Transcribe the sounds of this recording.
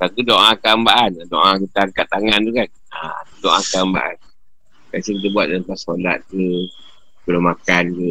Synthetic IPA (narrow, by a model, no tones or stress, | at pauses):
kakudoʔãkambaʔanadoʔãkit̪aŋkat̪ːaŋand̪ukan | a̰ak̪udɔʔãkamba̰ʔa̰n | kasikit̪əbuat̪̚dampasola̰t̪̚kə | kələmakankə